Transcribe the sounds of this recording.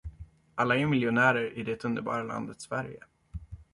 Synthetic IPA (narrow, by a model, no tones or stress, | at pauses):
alːaæɾmɪljʊnæːɾəɾɪd̪ɛt̪ɵnd̪əɾbɑ̰ːɾala̰nd̪ət̪svæɾjə̰